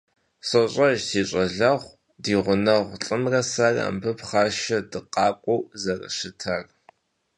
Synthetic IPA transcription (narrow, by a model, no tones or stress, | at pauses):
sɐɕʼɐʒtʰiːɕʼɐɮɐʁʷ | diːʁʷʊnɐʁʷɬʼɨmrɐsara̰mbɨpχɑːʃɐdɨqɑːkʷʼowzɐrɐ̰ʃɨtʰar